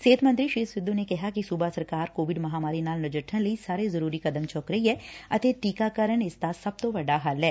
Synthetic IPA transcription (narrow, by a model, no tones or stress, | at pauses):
seːt̪ʰmɐ̃nt̪ɾiʃiːsʋɪd̪ːunekɐɦakisubasɐɾkaːɾkoːʋɪɖmɐɦaːmaːɾinaːlnʊd͡ʒəʈʰːənlɐisaːɾezɐɾuːɾikɐd̪əmt͡ʃʰɔːkɾɐɦiɦɛːɐt̪eʈiːkakɐɾəɳɪst̪asɐb̚t̪oʋɐɖaɦaːlɦɛː